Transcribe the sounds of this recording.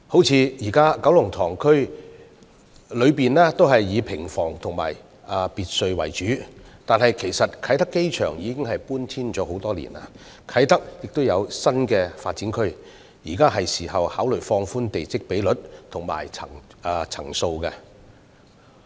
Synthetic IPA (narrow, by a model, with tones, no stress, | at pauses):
ho˨˥wt͡sʰiː˨˧jiː˨˩kaː˥kɐ˨˥wlʊ˨˩ŋt̪ʰɔː˨˩ŋkʰɵ˥ɥ | lɵ˨˧ɥpiː˨nlɛː˥t̪o˥wɦɐ˨jːiː˨˧pʰɪ˨˩ŋfɔː˨˩ŋt̪ʰʊ˨˩ŋma̰ː˨˩j | ɐ˧piː˨t̚sɵ˧ɥwɐ̰˨˩jt͡ʃyː˨˥t̪aː˨nɦɐ˨jkʰe˨˩jsɐ˨t̚kʰɐ˨˧˥jt̪ɐ˥kːe˥jt͡ʃʰœː˨˩ŋjiː˨˧kɪ˥ŋɦɐ˨jpuː˥nt̪ʰiː˥nt͡ʃɔː˨˥ho˨˥wt̪ɔː˥lḭ˨˩na̰ː˧ | kʰɐ˨˥jt̪ɐ˥k̚jɪ˨k̚t̪o˥wjɐ˨˧wsɐ˥nkɛː˧fa̰ː˧t̚t͡siː˨˥nkʰɵ˥ɥ | jiː˨˩kaː˥ɦɐ˨jsiː˨˩hɐ˨whaː˨˥wlɵ˨˩ɥfɔː˧ŋfuː˥nt̪e˨jt͡sɪ˨˥k̚pe˨˥jlɵ˨˥t̚t̪ʰʊ˨˩ŋma̰ː˨˩jt͡sʰɐ̰˨˩ŋː˧t͡sʰɐ̰˨˩ŋso˧wkɛ˧